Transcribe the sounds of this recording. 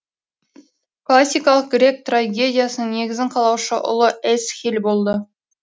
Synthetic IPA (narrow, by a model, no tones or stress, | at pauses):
klˠasʲːijkɑlˠəq̚ʲɾe̞k̚t̪raɡʲe̞dʲijasənəŋne̞ɡʲɪzɪɴqʰɑlˠɑwʃəʔʊ̰lˠəesxʲelʲbo̞lˠd̪ə